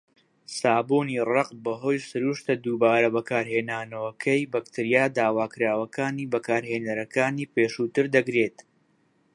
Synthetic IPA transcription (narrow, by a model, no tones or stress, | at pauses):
saːbuːniːrɑqbɐɦo̞ːjsɨɾuːʃt̪ɐd̪uːbaːɾɐbɐkaːɾɦeːnaːnɐwɐkʰɐjbɐkt̪ʰɨɾijaːd̪aːwaːkɨɾaːwɐkʰaːniːbɐkaːɾɦeːnɐɾɐkaːniːpeːʃuːt̪ɨɾd̪ɐɡɾe̞ːt̪